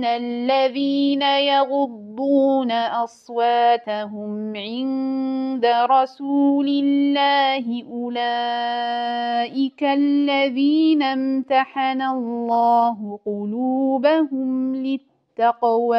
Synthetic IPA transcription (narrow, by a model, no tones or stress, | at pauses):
alːaðiːnajɑɣʊd̪ːuːnaʔɑsˤwaːt̪aɦʊmʕɪnd̪aɾˤɑsuːlɪllːaːɦɪʔʊlaː | ʔɪkalːaðiːnamt̪aħanalˤːɑːɦʊqʊluːbahʊmlɪt̪ːɑqwa